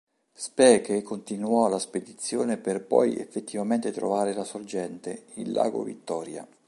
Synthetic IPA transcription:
spɛːkekont̪inuɔlasped̪it̪sːjoːneperpɔ̰jḛfːet̪ːivament̪et̪ɾo̰vaːɾelasord͡ʒɛnt̪eilːa̰ːɡo̰vḭt̪ːɔːɾja̰

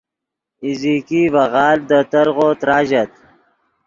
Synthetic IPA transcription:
iziːkivɐɣɑːld̪ət̪ɐɾɣot̪ɾɑːʒɐt̪̚

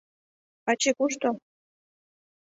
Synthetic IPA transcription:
ɑt͡ɕekuʃt̪o

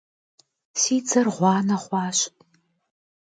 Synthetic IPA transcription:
siːd͡zɐrʁʷɑːnɐʁʷɑːɕ

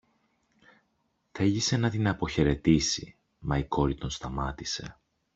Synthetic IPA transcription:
θeʝise̞nɐt̪inɐpo̞çe̞ɾe̞t̪isḭ | mɐiko̞ɾit̪o̞nst̪ɐmɐt̪ise̞

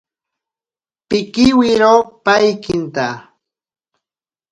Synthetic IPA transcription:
pɪkɪwɪɾopajkɪnt̪a

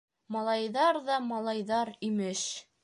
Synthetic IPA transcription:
mɑlˠɑjðɑɾðɑmɑlˠɑjðɑɾimɘʃ

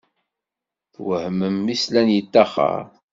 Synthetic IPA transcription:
θwəhəməmːislænjət̪ːæχə̰ɾ

